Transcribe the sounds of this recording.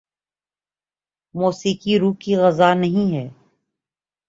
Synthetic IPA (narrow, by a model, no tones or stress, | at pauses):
moːsiːkiɾuːkiɣɐzanɐɦĩɦɛː